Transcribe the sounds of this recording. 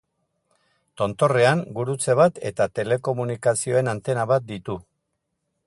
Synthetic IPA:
t̪o̞nt̪o̞re̞aŋɡuɾut͡se̞β̞at̪e̞t̪at̪e̞le̞ko̞munikasio̞e̞nant̪e̞naβat̪̚d̪it̪u

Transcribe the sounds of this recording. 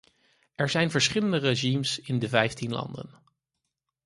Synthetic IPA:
ʔɛɹzɛjnvəɹsχɪləndəreʒimsɪndəvɛjftinlɑ̰ndə̰n

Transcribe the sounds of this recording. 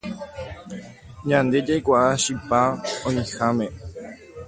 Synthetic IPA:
ɲãnd̪e̞d͡ʒajkʷaʔaʃipaõɲĩhamẽ

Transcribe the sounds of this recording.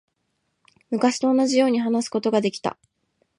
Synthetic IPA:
mɯ̟kaɕi̥t̪o̞ːnaʑijo̞ːɲ̟iɦanasɨ̥ko̞t̪o̞ɡad̪e̞kʲi̥t̪a̰

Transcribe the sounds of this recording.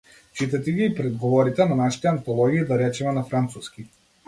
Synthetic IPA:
t͡ʃit̪ajt̪ɛɡʲiːpɾɛd̪̚ɡɔvɔɾit̪ɛnanaʃi̥t̪ɛant̪ɔlˠɔɡiːd̪aɾɛt͡ʃɛmɛnafɾant̪suskʲi

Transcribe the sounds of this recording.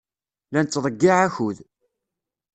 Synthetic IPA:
lænət͡sːðˤəɡːiʕæçuð

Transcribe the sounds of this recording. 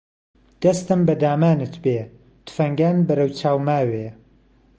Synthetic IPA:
d̪̥ɐst̪ɨmbɐd̪aːmaːnɨt̪beː | t̪ʰɨ̥fɐŋɡaːnbɐɾɐwt͡ʃʰaːwmaːwe

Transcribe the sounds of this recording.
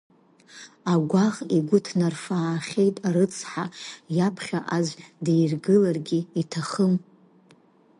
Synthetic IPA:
aɡʷaʁiɡʷʊtʰnarfaːχʲe̞jtʼaɾɨt͡sʰħajapʰχʲaʔazʷdejrɡɨlarɡʲiitʰaχəm

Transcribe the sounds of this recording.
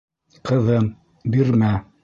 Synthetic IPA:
qʰɤ̆ðɤm | biɾmæ

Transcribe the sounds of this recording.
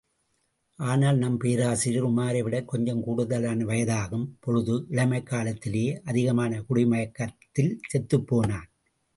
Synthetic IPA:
ʔaːnaːlnɐmpeːɾaːsɪɾɪɾʊmaːɾɐʋɪɽɐkːɔɲd͡ʒɐmkuːɽɯðɐlaːnʋɐjɐðaːɣɯmpɔɻɯðɯʔɪɽɐmɐɪkːaːlɐt̪ːɪleeːʔɐðɪɣɐmaːnɐkʊɽɪmɐjɐkːɐt̪ːɪlsɛt̪ːɯpːoːnaːn

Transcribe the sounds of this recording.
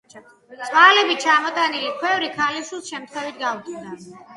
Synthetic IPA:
sʼvwalɛbit͡ʃʰamɔt̪ʼanilikʰwɛvɾikʰaliʃulˠsʃɛmt̪χɛvit̪̚ɡaut̪ʰʼna

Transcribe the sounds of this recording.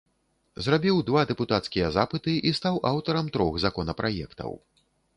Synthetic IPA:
zrabʲiwd̪vad̪ɛput̪at̪skʲijɐzapɨt̪ɨʔist̪awʔawt̪ɐɾɐmt̪ɾɔxzakɔnɐpɾʔajɛ̰kt̪ɐ̰w

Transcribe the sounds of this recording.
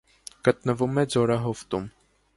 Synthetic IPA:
ɡ̥ət̪nəvumɛd͡zɔɾɑɦɔft̪um

